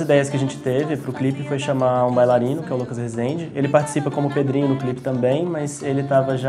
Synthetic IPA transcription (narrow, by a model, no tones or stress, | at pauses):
zid̪ɛjɐskʲɪaʒẽt͡ʃɪ̥t̪evɪpɾʊklipɪfojʃɐmaũbajlaɾĩnʊkɪɛʊlukɐshezd̪ẽd͡ʒɪelɪpaɾt͡ʃi̥sipɐkõmʊped̪ɾĩɲʊd̪ʊklipɪ̥t̪ɐ̃mbẽj̃mɐzelɪt̪avɐʒa